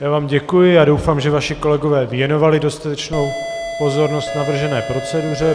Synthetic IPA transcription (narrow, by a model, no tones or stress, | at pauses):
jaːvaːmɟɛkujɪjaːdo̞wfaːmʒɛvaʃɪko̞lɛɡo̞vɛːvjɛno̞valɪdo̞st̪at̪ɛt͡ʃno̞w | po̞zo̞ɾno̞st̪navr̩ʒɛnɛːpɾo̞t͡sɛdur̝ɛ